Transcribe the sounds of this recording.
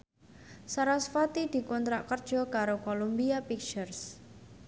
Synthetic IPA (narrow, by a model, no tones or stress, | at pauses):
saɾasfat̪id̪̥i̤kɔnt̪ɾaʔkərd̥ʒ̥ɔ̤kaɾokolumbiapik̚t͡ʃərs